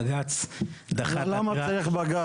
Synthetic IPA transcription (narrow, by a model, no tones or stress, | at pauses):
ɡat͡sd̪aχlamat͡saʁiχbaɡa